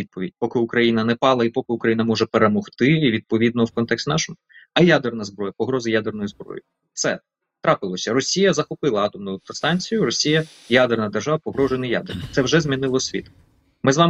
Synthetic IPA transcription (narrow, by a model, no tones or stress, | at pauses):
id̪̚pɔʋʲḭd̚ʲpɔkɪʊkɾɐjinɐnɛpɑlˠɐipɔkɪukɾɐjinɐmɔʒɛpeɾemɔxt̪ɪʋʲid̪̚pɔʋʲid̪nɔwkɔnt̪ɛkst̪ʲnɑʃɔmʊɐjad̪ernɐzbɾɔjɐpɔɦɾɔzɪjad̪ernɔjʊzbɾɔ̰jʊ̰jʊ | sɛ | t̪ɾɑpɪlˠɔsʲɐrɔsʲijɐzɐxɔpɪlˠɐɑt̪ɔmnʊjʊp̪ɔst̪ɑnʲt͡sʲijʊɾɔsʲijɐ | jad̪ernɐd̪erʒɑʋɐpɔɦɾɔʒenɪja̰d̪ernɪtsɛwʒɛzmʲinɪlˠɔsʲʋʲḭt̪ | mɪzʋɑm